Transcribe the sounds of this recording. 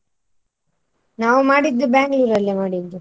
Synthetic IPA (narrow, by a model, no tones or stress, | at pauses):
naːʋumaːɽid̪ːubjaːŋɡluːɾɐlːemaːɽid̪ːu